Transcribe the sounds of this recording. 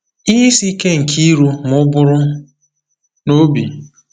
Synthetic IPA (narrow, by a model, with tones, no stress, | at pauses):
i˦si˦ke˦ŋ̩˨kʰi˦ɾu˦m˦ʊ˦bʊ˦ɾʊ˦ | no˦bi˨